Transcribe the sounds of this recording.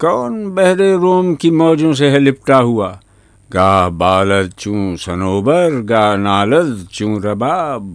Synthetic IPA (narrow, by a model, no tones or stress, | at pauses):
kɔːnbɛɦɾeɾoːmkimɔːd͡ʒõs̬eɦɐlɪp̚ʈaɦuaː | ɡaːɦbaːləd̪̚t͡ʃũːsɐnoːbəɾɡaːɦnaːləd̪t͡ʃũːɾɐbaːb̚